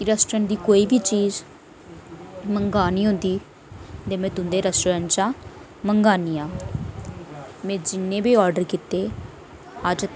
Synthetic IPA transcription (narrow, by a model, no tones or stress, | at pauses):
kɪɾəsʈɾənd̪iːkoːiːbiːt͡ʃiːz | məŋɡaːniːɦʊ̃nd̪iː | d̪eːmɛ̃ːt̪ʊnd̪eːɾəsʈːɾənt͡ʃãː | məŋɡaːniːaː | mɛ̃ːd͡ʒɪnːẽːbiːɔːɾɖəɾkɪt̪eː | əd͡ʒ̪